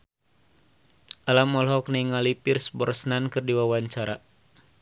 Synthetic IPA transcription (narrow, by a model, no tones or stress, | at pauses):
ʔalamɔlɦɔkniŋalipirsbɔrsnankɨrdiwawaɲt͡ʃaɾa